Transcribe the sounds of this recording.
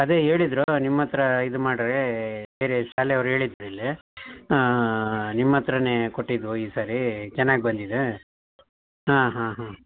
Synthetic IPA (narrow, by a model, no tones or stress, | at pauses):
ɐd̪eːɦeːɭid̪ɾonimːɐt̪ɾɐid̪umaːɽɐɾebe̞ːɾeʃaːlɛɐʋɾuɦe̞ːɭid̪ːɾuilːi | nimːɐt̪ɾɐneko̞ʈːid̪uiːsaːɾit͡ʃɛnːaːɡibɐnd̪id̪e | ɦãːɦãːɦaː